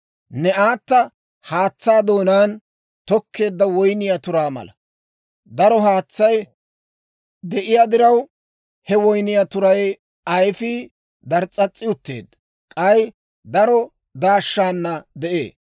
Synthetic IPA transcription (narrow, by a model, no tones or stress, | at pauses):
nɛaːt̪ːɐ | haːt͡sːaːd̪o̞ːnaːn | t̪ɔkːe̞ːd̪ːɐwɔjnɪjat̪ʊɾaːmɐ̰lɐ | d̪ɐɾɔɦaːt͡sːɐj | d̪ɛʔɪjaːd̪ɪɾɐw | hɛwɔjnɪjat̪ʊɾɐj | ɐjfi | d̪ɐɾt͡sʼːɐt͡sʼːɪjʊt̪ːe̞̰ːd̪ | kʼɐj | d̪ɐɾɔ | d̪aːʃːaːnːɐd̪ɛʔḛː